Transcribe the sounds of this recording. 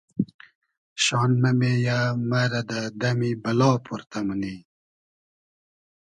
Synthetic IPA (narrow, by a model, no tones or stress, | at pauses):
ɕɑːnmɐmejamaɾɐd̪ad̪ɐmibɐlɑːpʰuɾt̪aməni